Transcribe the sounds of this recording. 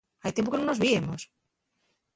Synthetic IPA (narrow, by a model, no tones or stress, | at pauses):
ajt̪jempoke̞nono̞zβiemo̞̰s